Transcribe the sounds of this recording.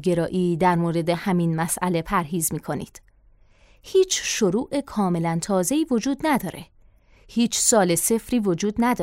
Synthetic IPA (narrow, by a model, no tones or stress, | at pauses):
ɡe̞ɾɒːʔiːd̪æɾmoːɾe̞d̪e̞hæminmæsʔæle̞pʰæɾɦiːzmiːkʰo̞nḭːd̪̥ | hiːt͡ʃʰʃoɾuːʔe̞kʰɒːme̞lænt̪ʰɒːze̞iːvo̞d͡ʒuːd̪næd̪ɒːɾe̞̰ | hiːt͡ʃʰsɒːle̞se̞fɾiːvo̞d͡ʒuːd̪næd̪ɒː